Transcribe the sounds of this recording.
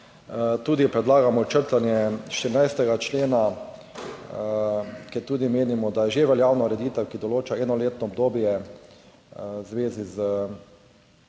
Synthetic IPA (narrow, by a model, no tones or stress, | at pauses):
t̪uːd̪ipɾɛd̪laːɡamɔt͡ʃəɾt̪anjɛʃt̪iɾinajst̪ɛɡat͡ʃleːna | kɛt̪uːd̪imeːnimɔd̪ajɛʒeʋɛljaːwnɔɾɛd̪iːt̪əwkid̪ɔloːt͡ʃaɛːnɔleːt̪nɔːb̚d̪oːbjɛ | zʋeːzizə